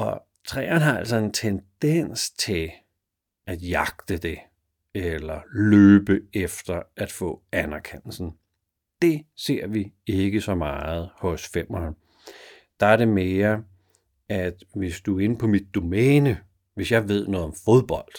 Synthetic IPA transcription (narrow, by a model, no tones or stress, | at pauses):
ɒ̽ | t͡sʰʁɛ̰ːɐnɦɑ̈æl̰sɒ̽e̝nt͡sʰend̥en̰st͡sʰe̝l | æd̥jɑ̈ɡ̥̚d̥əd̥e̝ | elɐløːb̥əefd̥ɐʔæd̥fɔ̰̽ːænæɐkʰen̰l̩sn̩ | d̥e̝se̝ɐ̰ʋie̝ɡ̥əsɒ̽mɑːð̞̩ˠhɔ̽sfem̰ɒ | d̥ɑ̈æɐɾe̝me̝ːɐ | æd̥ʋe̝sd̥uæe̝nəpʰɒ̽mid̥̚ːo̝mɛːnə | ʋe̝sjɑ̈ɪʋe̝ð̞̰ˠnɔ̽ːð̩ˠɒ̽mfo̝ð̞ˠb̥ɒ̽l̰d̥